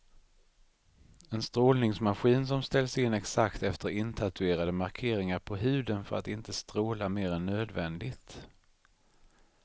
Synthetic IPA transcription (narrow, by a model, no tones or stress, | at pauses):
ɛnst̪ɾoːlnɪŋsmaɧiːns̬ɔmst̪ɛlsɪnːɛksakt̪ɛft̪əɾɪnt̪ʰat̪ɵeːɾad̪əmaɾkʰeːɾɪŋaɾpʰɔɦʉ̟ːd̪ənfœɾa̰t̪ɪnt̪əst̪ɾoːlameːɾɛnːøːd̪vɛnd̪ɪɡt̪